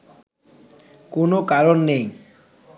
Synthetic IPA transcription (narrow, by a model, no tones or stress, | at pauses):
konokaɾonːej